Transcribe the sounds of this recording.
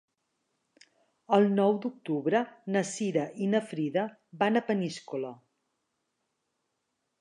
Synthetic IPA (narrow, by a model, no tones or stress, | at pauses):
əlˠnɔwd̪uk̚t̪uβɾənəsiɾəʔinəfɾiðə | banəpəniskulə